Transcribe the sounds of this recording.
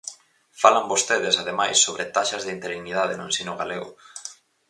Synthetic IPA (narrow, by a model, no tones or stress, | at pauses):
falambost̪eð̞esaðemajsːoβ̞ɾet̪aʃazðɪint̪eɾiɣniðað̞enoẽnsinʊɣaleɣʊ̰